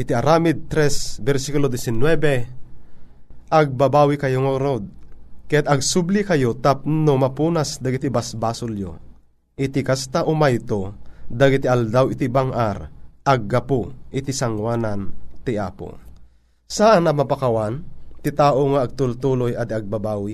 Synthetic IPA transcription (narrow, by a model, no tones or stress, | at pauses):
ʔɪt̪iaɾamid̪̚t̪ɾɛsbɛɾsikulod̪ɛsinwɛbɛ | ʔaɡ̚babaːwikɐjoŋoɾod̪̚kajat̪ɐɡ̚sublikɐjot̪ap̚nomapuːnasd̪aɡit̪ibasbasʊljo̰ | ʔɪt̪ikast̪aʔomajt̪od̪aɡit̪iald̪awit̪ibaŋʔaɾʔaɡːapoʔɪt̪isaŋwaːnant̪iʔaːpo̰ | saʔanɐmapakawant̪it̪aːʔoŋaːɡ̚t̪ult̪uːlojad̪iaɡ̚babaːwi